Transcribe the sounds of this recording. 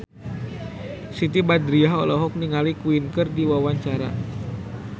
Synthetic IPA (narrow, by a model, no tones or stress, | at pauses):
sit̪ibad̪ɾiaɦɔ̰lɔɦɔk̚niŋalikuinkərdiwawaɲt͡ʃaɾa̰